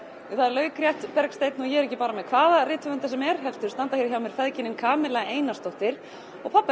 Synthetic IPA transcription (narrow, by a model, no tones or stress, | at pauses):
θaðɛɾlœːɥkɾjɛht̪pɛɾkst̪ejt̪nɔjɛɛɾɛhcːɪpaːɾamɛðkʰvaːðarɪːt̪vʏvʏnt̪asɛmɛɾ̥ɦɛlt̪ʏɾ̥st̪ant̪açjɛɾɪçawmjɛɾ̥fɛðcɪnɪnkʰaːmɪlaɣeːjnast̪owht̪ɪɾ̥ | ɔɣpʰapːa